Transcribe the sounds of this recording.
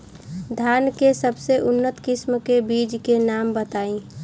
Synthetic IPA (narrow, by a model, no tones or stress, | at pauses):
d̪ʱjaːnkesəbseʔʊnːət̪kɪsmkebiːd͡ʒkenaːmbət̪aːĩ